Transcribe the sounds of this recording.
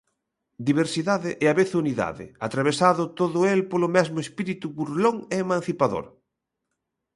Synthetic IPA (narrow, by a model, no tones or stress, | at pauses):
d̪iβeɾsiðaðɪʔɛaβeθuniða̰ðɪ̰at̪ɾaβ̞esaðʊt̪oðʊelpolʊmɛzmʊespiɾit̪uβuɾloŋeːmãn̟θipaðo̰ɾ